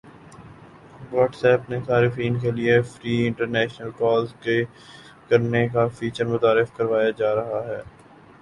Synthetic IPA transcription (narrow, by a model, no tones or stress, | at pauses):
ʋɔːʈsɛːpnesaːɾɪfiːnkeliefɾiːɪ̃ɳʈəɾnɛːʃnəlkɔːlzke | kɐɾnekafiːt͡ʃəɾmʊt̪aːɾɪfkɐɾʋaːjad͡ʒaːɾɐɦaɦɛː